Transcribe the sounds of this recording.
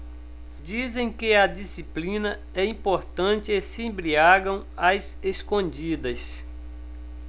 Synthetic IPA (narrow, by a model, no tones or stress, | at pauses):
d͡ʒizẽj̃kɪɐd͡ʒisiplĩnɐ | ɛĩpoɾt̪ɐ̃t͡ʃɪesɪẽbɾiaɡɐ̃w̃az | eskõd͡ʒid̪ɐs